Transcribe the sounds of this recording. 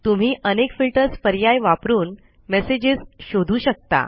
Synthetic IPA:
t̪um̤iːʔənekfilʈəɾsfəɾjajʋapɾuːn | mɛsed͡ʑisɕod̪ʱuːɕək̚t̪a̰

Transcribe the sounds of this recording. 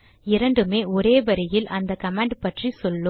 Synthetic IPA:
ɪɾɐɳɖɯmeːɔɾeːʋɐɾɐjɪlʔɐnd̪ɐkɐmaːɳɖpɐʈrisɔlːɯ

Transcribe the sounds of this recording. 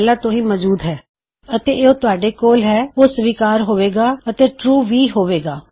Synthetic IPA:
laːt̪õːĩːmɔːd͡ʒuːd̪ɦɛː | ət̪eːʔeoːt̪ʊaːɖeːkoːlɦɛːoːsʋiːkaːɾɦoːʋeːɡaːət̪eːʈɾuːʋiːɦoːʋeːɡaː

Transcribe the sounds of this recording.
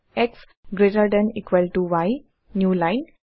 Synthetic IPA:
eks | ɡɾeʈəɾɖɛ̃nḭkʋəlʈuʋaj | njuːlãɪn

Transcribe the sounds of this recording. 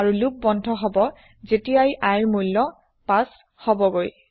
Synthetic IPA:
aɹulup̚bɔndʱɔɦɔbɔ | zetijajʔajɹmulːɔ | pas | hɔbɔɡoj

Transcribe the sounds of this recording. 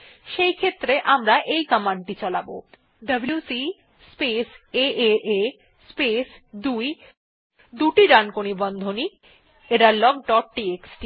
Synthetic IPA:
ʃejkʰet̪ːɾeʔamɾaʔejkəmaɳɖʈit͡ɕɔlabo̰ | ɖəbliusi | speseʔeʔe | spesd̪uj | d̪uʈiɾankonibɔnd̪ʱoni | eʈalɔɡ̚ɖɔʈ̚ʈieksʈi

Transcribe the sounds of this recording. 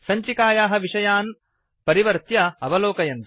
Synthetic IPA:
sɐɲt͡ʃikaːjaːɦɐ̆ʋiʂɐjaːn | pɐɾiʋɐɾt̪jɐɐʋɐloːkɐjɐnt̪

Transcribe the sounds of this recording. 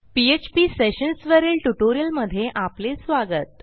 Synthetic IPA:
piet͡ɕpiseɕənsʋəɾelʈuʈoɾijəlməd̪ʱːjeʔaplesʋaɡət̪̚

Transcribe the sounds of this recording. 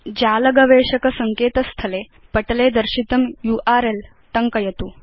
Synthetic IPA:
d͡ʑaːlɐɡəʋeːɕɐkəsəŋkeːt̪əst̪ʰəle | pəʈleːd̪əɾɕit̪əmjuʔaːɾel | ʈəŋkəjɐt̪uː

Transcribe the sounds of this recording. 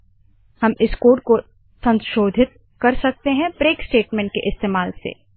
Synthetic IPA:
hɐmʔɪskoːɖ̚ko | sɐ̃nʃoːd̪ʱɪt̪̚ | kɐɾsɐk̚t̪eɦɛ̃bɾeːksʈeːʈmɛ̃ːɳʈ̚keʔɪst̪eːmaːlsḛː

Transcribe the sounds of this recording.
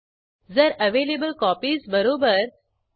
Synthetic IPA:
zəɾɐʋeːlebəlkɔːpizbəɾoːbəɾ

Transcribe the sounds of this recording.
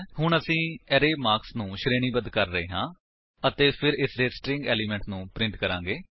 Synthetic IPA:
hʊɳəsĩːɛːɾeːmaːksnũːʃɾeːɳ̃iːbəd̪kəɾːəeːɦãː | ət̪eːpʰɪɾɪsd̪eːsʈɾɪ̃ŋɡɛːliːmɛ̃ːɳʈnũːpɾɪɳʈkəɾãːɡeː

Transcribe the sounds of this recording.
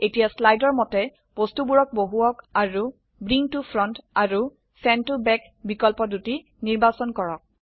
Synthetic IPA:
etijaslajdɔɹmɔtɛ | b̥ostubuɹɔk̚boɦuɔkaɹu | bɹiŋtupʰɹɔntaɹu | sɛntubɛk | bikɔlpɔduti | niɹbasɔnkɔɹɔk̚

